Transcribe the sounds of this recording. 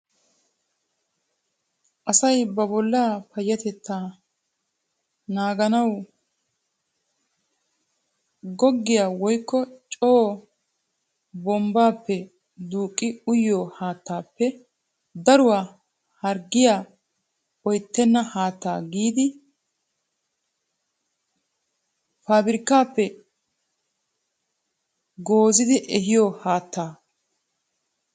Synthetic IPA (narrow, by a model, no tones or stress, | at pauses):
ʔɐsɐjbɐbɔlːaːpɐjːɐt̪ɛt̪ːaː | naːɡɐnɐw | ɡɔɡːɪjaːwɔjkːɔt͡ʃʼoː | bɔmbaːpːɛ | d̪uːkʼːɪʊjːoːhaːt̪ːaːpːɛ | d̪ɐɾʊwaː | hɐɾɡːɪjaː | ɔjt̪ːɛnːɐhaːt̪ːa̰ːɡiːd̪ɪ | faːbɪɾɪkːaːpːɛ | ɡoːzɪd̪ɪʔɛɦɪjoːhaːt̪ːaː